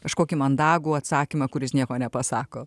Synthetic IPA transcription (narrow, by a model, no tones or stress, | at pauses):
kɐʃkoːkʲimɐnd̪ɑːɡuːɐt̪sɑːkʲimɐkʊɾʲɪsnʲiɛkoːnʲɛpɐsɑːkoː